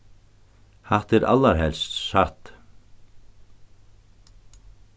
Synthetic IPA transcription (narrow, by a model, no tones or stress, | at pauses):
haht̪ɛɾʔa̰lːaɾɦɛlst̪saht̪